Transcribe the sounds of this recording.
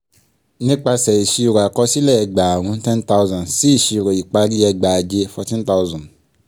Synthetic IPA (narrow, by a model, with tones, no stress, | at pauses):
nĩ˦k͡pa˧sɛ˨i˨ʃi˦˨ɾo˨a˨kɔ˦si˦lɛ˦˨ɛ˨ɡ͡ba˨ɾ̃ũ˧˦tɛ̃˦n˦ta˦ʊ˦zɔ̃˨nsi˦i˨ʃi˨˧ɾo˨i˨k͡pa˧ɾi˦ɛ˧ɡ͡ba˨d͡ʒe˧fɔ˧tĩ˦n˦ta˦ʊ˦zɔ̃˨nd